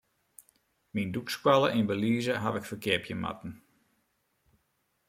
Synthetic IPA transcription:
mindukskwaləʔinbəliːzəɦaʋɪkfəkɪəpʰjəma̰tn̩

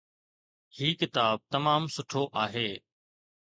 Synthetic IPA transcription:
hiːkɪt̪aːb̚t̪ɐmaːmsʊʈʰoʔaːɦeː

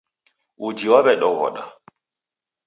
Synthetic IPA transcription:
ud͡ʒiwaɓɛɗɔvɔ̰ɗa̰

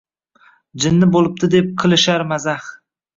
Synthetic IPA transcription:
d͡ʒɪnːɪbolˠɪp̚t̪ʰɪd̪ep̚qʰɨlˠɪʃaɾmazaχ

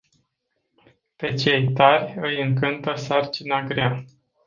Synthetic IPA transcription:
pe̞t͡ʃe̞jt̪arʲɨjɨŋkɨnt̪əsart͡ʃinaɡɾʲa

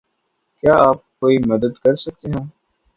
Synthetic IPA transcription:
kjaːaːp̚koːimɐd̪əd̪kɐɾsɐk̚t̪eɦɛ̃ː

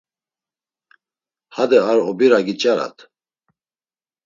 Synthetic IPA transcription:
had̪ɛaɾɔbiɾaɡit͡ʃʼaɾa̰t̪ʰ

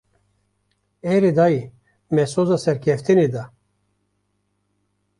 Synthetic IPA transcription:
ɛɾid̪aji | mɛsozasɛɾkʰɛft̪ʰinid̪a

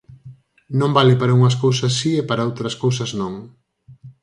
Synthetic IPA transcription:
nõmbalɪpaɾɐuŋɐs̬kowsɐsːiepaɾɐowt̪ɾɐskowsɐznõŋ

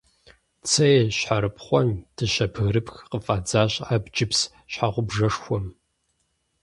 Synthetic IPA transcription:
t͡sʰɐjɕħaɾɨpχʷɔnd̥ʰɨʃɐpʰɣɨɾɨpxqəfʼaːd͡zaːɕaːbd͡ʒʼɪps | ɕħaʁʷʊbʐɐʂxʷɔm

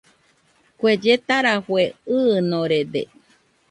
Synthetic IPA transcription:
kʷed͡ʒet̪aɾafweɨːnoɾed̪ḛ

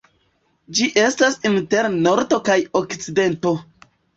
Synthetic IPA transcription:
d͡ʒiʔe̞stasinte̞ɾno̞ɾdo̞kajo̞kt͡side̞nto̞

